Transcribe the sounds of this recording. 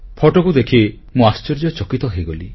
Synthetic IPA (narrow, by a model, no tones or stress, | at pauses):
pʰɔʈɔkud̪ekʰi | mũast͡ʃɔɾd͡ʒɔt͡ʃɔkit̪ɔɦejɡoli